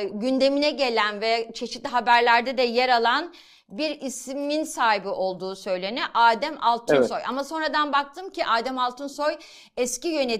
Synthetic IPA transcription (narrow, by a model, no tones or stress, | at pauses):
ɟynd̪e̞minɛɟe̞lʲænvɛt͡ʃʰe̞ʃi̥t̪lʲiɦabæɾlʲæɾd̪ɛd̪ɛjeɾalˠan | biɾisminsaːɦibiʔo̞lˠd̪uːsø̞jlʲe̞nɛʔaːd̪æmalˠt̪ʰnsso̞jʔa̰maso̞nɾad̪anbak̚t̪ʰɯːmciʔaːd̪æmalˠt̪ʰɯnso̞j | ɛscijø̞ne